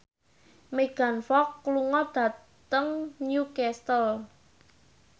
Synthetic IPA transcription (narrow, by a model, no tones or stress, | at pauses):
meɡ̥a̤nfɔkːluŋɔd̪̥ä̤ | t̪əŋnjukɛst̪əl